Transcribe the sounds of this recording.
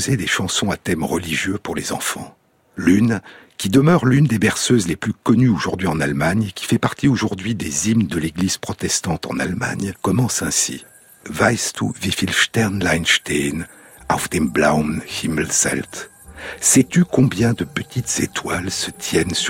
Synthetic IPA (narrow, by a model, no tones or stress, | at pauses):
zed̪eʃɑ̃sɔ̃at̪ɛmʁəliʒjøpuʁlezɑ̰̃fɑ̰̃ | lynkʲid̪əmœʁlynd̪ebɛʁsøzleplykɔnyoʒuʁd̪ɥiɑ̃nalmaɲkʲi̥fɛpaʁt̪ʰioʒuʁd̪ɥid̪ezimnd̪əleɡliz̥pχɔt̪ɛst̪ɑ̃t̪ɑ̰̃na̰lma̰ɲkɔmɑ̃sɛ̃sḭ | vajst̪ṵvifilʃt̪ɛʁnlajnʃt̪en | a̰fd̪ɛmbla̰wnhimlsɛ̰lt̪ | sɛt̪ykɔ̃bjɛ̃d̪əpət̪ʰit̪z̥ḛt̪walsət̪ʰjɛns